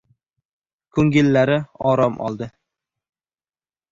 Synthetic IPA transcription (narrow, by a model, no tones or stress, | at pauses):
kʰɵŋɡʲɪlːaɾɪɒɾɒmʔɒ̰lˠd̪ɪ